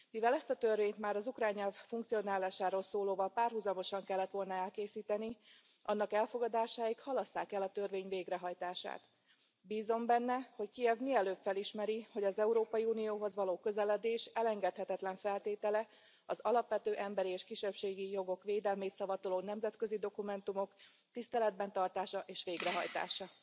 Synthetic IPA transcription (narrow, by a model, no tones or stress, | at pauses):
mivɛlɛst̪ɒt̪ørveːɲt̪maːɾɒzukraːɲːɛlffuŋk̚t̪sijo̞naːlaːʃaːɾoːlsoːloːvɒlpaːrhuzɒmo̞ʃɒŋkɛlːɛt̪ʋo̞lnɒɛlkeːsiːt̪ɛni | ʔɒ̰nːɒkɛlfo̞ɡɒd̪aːʃaːjikhɒlɒsːaːkɛlɒt̪ørveːɲveːɡrɛɦɒjt̪aːʃa̰ːt̪ | biːzo̞mbɛnːɛho̞ckijɛvmiɛløːpfɛliʃmɛɾiho̞ɟɒzɛuɾoːpɒjiuːnijoːɦo̞zʋɒloːkø̞zɛlɛd̪eːʃɛlɛŋɡɛt̪hɛt̪ɛt̪lɛɱfɛlt̪eːt̪ɛlɛ | ɒzɒlɒpʋɛt̪øːʔɛmbɛɾieːʃkiʃɛpʃeːɡijo̞ɡo̞kʋeːd̪ɛlmeːt̪sɒvɒt̪oloːnɛmzɛt̪kø̞zid̪o̞kumɛnt̪umo̞k | t̪ist̪ɛlɛd̪̚bɛnt̪ɒrt̪aːʃɒʔeːʃʋeːɡrɛɦɒjt̪a̰ːʃɒ